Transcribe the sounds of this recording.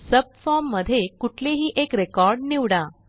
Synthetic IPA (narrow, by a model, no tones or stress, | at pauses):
səb̚fɔɾmːəd̪ʱːjekuʈʰleɦiːʔekɾekɔɾɖniʋɽã